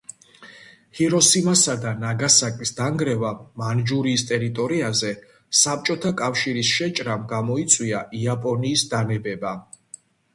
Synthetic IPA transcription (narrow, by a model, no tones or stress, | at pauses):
hiɾɔsimasad̪anaɡasakʼisd̪aŋɡɾɛvamand͡ʒuɾiːst̪ʼɛɾit̪ʼɔɾiazɛ | sap̚ʰt͡ʃʼɔt̪ʰakʼafʃiɾisʃɛt͡ʃʼɾamɡamɔit̪sʼwiaʔiapʼɔniːsd̪anɛbɛba